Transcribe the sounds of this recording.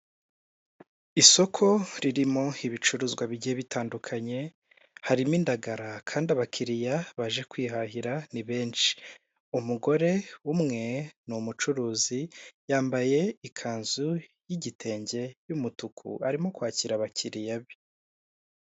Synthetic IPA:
iso̞kʰo̞ɾiɾimo̞iβit͡ʃuɾuzɡwaβiɟieβitaːndukʰaɲe̞ | haɾimindaɡaɾakʰaːndiaβakʰiɾijaβaʒe̞kwiːɦaɦiɾaniβe̞ːnt͡ʃi̥ | umuɡo̞ɾe̞umŋe̞numut͡ʃuɾuːzijaːmbaje̞ikʰaːnzujiɟitʰe̞ːɲɟe̞jumutukʰṵaɾimo̞kwaːciɾaβacʰiɾijaβi̥

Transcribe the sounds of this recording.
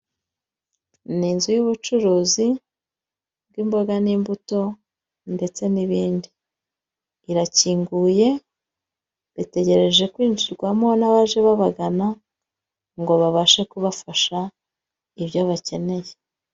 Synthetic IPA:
niːnzujuβut͡ʃuɾuːzi | b̚ɡiːmbo̞ɡaniːmbuto̞ | nde̞t͡se̞niβiːndi | ɾaciːŋɡuje̞ | βite̞ɟe̞ɾe̞ʒe̞kwiːnd͡ʒiɾɡwamonaβaʒe̞βaβaɡana | ŋɡo̞βaβaʃekuβafaʃa | iβjoβace̞ne̞je

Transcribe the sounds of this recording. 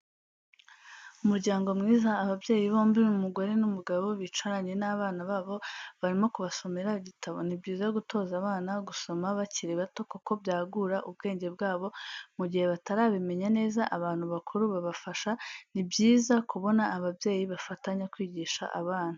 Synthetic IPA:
umuɾɟaːŋɡo̞mŋiːzaːβabje̞ːjiβo̞ːmbimumuɡo̞ɾe̞numuɡaβo̞βit͡ʃwaɾaɲe̞naβaːnaβaːβo̞βaɾimo̞kuβaso̞me̞ɾaɟitʰaβo̞̰nibɟiːzaɡuto̞ːzaβaːnaɡuso̞maβaciɾeβato̞kuko̞bjaːɡuɾaʔub̚ɡe̞ːɲɟe̞b̚ɡaːβo̞muɟihe̞βataɾaːβime̞ɲane̞ːzaʔaβaːn̥huβakʰuɾuβaβafaʃanibɟiːzakuβo̞naːβabje̞ːjiβafataɲakwiːɟiːʃa̰ʔa̰βaːn̥hu

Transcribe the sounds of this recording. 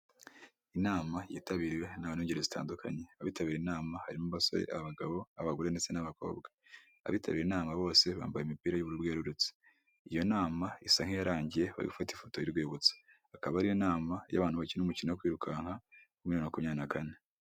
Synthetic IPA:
inaːmajiːtaβiːɾiwe̞naβaniɲɟeɾezita̰ːndukʰa̰ɲe̞aβiːtaβiːɾinaːmahaɾimuβaso̞̰ɾḛʔaaβaɡaβo̞aβaɡuɾe̞ndet͡se̞naβako̞̰ːbɡa | a̰βiːtʰaβiːɾeinaːmaβo̞ːse̞βa̰ːmbajeimipiːɾajuβuɾubɡeːɾuɾut͡se̥ | ijo̞naːmaisaŋhejaɾaːɲɟije̞βa̰βiufatifoto̞iɾɡweːβut͡se̥ | akaβaaɾijonaːmaja̰βaːn̥huβaciɾnumucinojokwiːɾukaːŋ̥ha | umiunokumɲaːnakane̞

